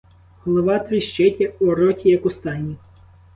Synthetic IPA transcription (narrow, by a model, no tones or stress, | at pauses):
hɔlˠɔʋɑt̪ʋʲiʃt͡ʃɛtʲɐɔɾɔtʲijɐkʊst̪ɑnʲi